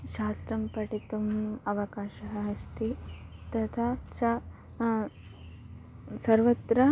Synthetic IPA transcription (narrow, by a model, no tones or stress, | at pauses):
ʃaːsɾɐmpɐʈit̪umɐʋɐkaːʃɐɦɐɦɐst̪it̪ɐt̪ʰaʃɐ | sɐɾʋɐt̪ɾɐ